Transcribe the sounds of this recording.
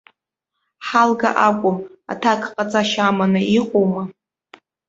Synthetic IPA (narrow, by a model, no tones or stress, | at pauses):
ħalɡa̰ʔakʷʼʊma̰tʰakʰqʼat͡sʼaʃamanɨiqʷʼowma